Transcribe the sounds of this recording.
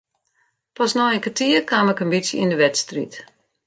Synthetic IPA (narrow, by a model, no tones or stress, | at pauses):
pɔsnɔənkətiəkwaːmɪkənbitsjəḭndəʋɛtstrḭt